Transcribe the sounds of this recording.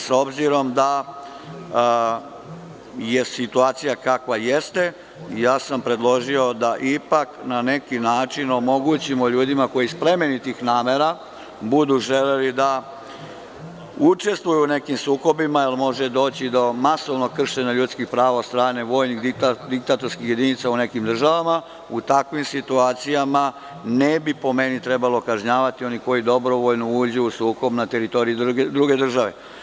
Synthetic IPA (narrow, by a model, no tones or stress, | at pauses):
so̞bziɾo̞md̪a | je̞sit̪uaːt̪sijakakʋaje̞st̪e̞ | jaːsampɾe̞d̪lˠo̞ʒio̞d̪aʔipaknane̞kinaːt͡ʃino̞mo̞ɡuːt͡ɕimo̞ʎuːd̪imako̞jispɾe̞me̞nit̪ixnaːmeɾa | bud̪uʒe̞lelid̪a | ut͡ʃe̞st̪ʋujune̞kimsuːko̞bimailˠmo̞ʒe̞d̪o̞ːt͡ɕid̪o̞maso̞ʋno̞kr̩ʃe̞ɲaʎut̪skixpɾaːʋaost̪ɾaːne̞ʋo̞ːjnixd̪ikt̪ad̪ik̚t̪at̪o̞ɾskixje̞d̪init̪saune̞kimd̪r̩ʒaʋama | ut̪akʋimsit̪uaːt̪sijama | nebipo̞me̞nit̪ɾe̞balo̞kaʒɲaːʋat̪io̞niko̞jid̪o̞bɾo̞ʋo̞ʎnuuːd͡ʑuusuːko̞bnat̪e̞ɾit̪o̞ɾijud̪ɾuɡe̞d̪r̩ʒaʋe̞̰